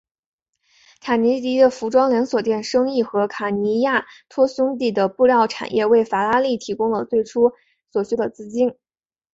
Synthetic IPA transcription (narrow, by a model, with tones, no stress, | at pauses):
kʰa˨˩ni˧˥t̪i˧˥d̪ə˨fu˧˥ʈ͡ʂwɑ˥ŋljɛ˧˥nswɔ˨˩t̪jɛ˥˩nʂɤ˥ŋi˥˩xɤ˧˥kʰa˨˩ni˧˥ja˥˩t̪ʰwɔ˥ɕʊ˥ŋt̪i˥˩d̪ə˩pu˥˧ljɑ˥˩ʊʈ͡ʂʰa̰˨˩njʔɛ˥˧we˥˩ɪfa˧˩la˥li˥˩t̪ʰi˧˥kʊ˥ŋlə˨t͡swe˥˩ɪʈ͡ʂʰu˥ | swɔ˨˩ɕɛ˥d̪ə˨t͡sɹ̩˥˩t͡ɕi˥n